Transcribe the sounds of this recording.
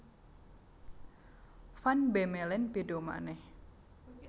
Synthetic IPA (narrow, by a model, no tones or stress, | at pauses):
fanbemelɛnpedoma̰nɛh